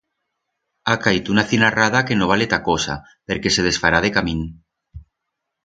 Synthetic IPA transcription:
akait̪unaθinarað̞ake̞noβalet̪akosa̰ | pe̞ɾke̞se̞ð̞e̞sfaɾað̞e̞kamĩn

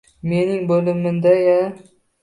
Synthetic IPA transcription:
me̞nɪŋbɵlɪmɪnd̪aja

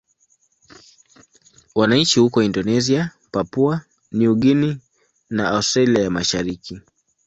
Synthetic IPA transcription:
wanaɲt͡ʃihukɔindɔnɛzia | papua | niuɡini | naʔaustɾaliajamaʃaɾiki

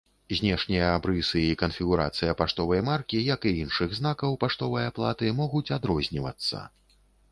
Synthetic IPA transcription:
zʲnʲɛʂnʲijɐabɾɨsɨikɐnfʲiɣuɾa̰t̪sɨjɐpaʂt̪ɔvɐjmarkʲijɐkɨinʂɨɣznakɐwpaʂt̪ɔvɨjaplˠa̰t̪ɨmɔɣut͡sʲad̪ɾɔzʲnʲivɐ̰t̪sːɐ̰

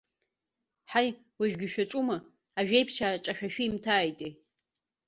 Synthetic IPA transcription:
ħaj | waʒᶣɡʲɪʃᶣaʈ͡ʂʼuma | aʒᶣejpʰt͡ʃʰaʈ͡ʂʼaʃᶣaʃᶣiːmtʰaːjtʼe

